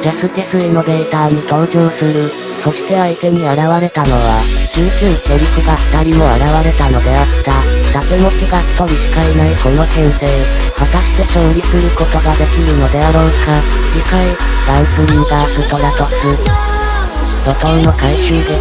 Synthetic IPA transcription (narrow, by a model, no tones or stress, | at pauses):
d͡ʑasɨkʲesɨino̞be̞ːt̪aːɲ̟ik̪oːʑoːsɨɾɯ̟ | so̞ɕi̥t̪e̞ait̪e̞ɲ̟iaɾaβaɾe̞t̪ano̞βad͡ʑɨːʑɯ̃ɰt̪ʲoɾʲikɯ̟ɡḁt̪aɾʲimo̞aɾaβaɾe̞t̪ano̞d̪e̞at̪ad̪akemo̞t͡ɕiɡapoɾʲisi̥kainaiko̞no̞sẽ̞ɰse̞ː | hat̪aɕi̥t̪e̞ɕo̞ːɾʲisɨɾɯ̟ko̞t̪o̞ɡad̪e̞kʲiɾɯ̟no̞d̪e̞aɾo̞̥ːka | ɾʲikai | d̪̥aisɨind̪asɯt̪o̞ɾat̪osɨ | ɾot̪õnːo̞kaiɕɨːd̪e̞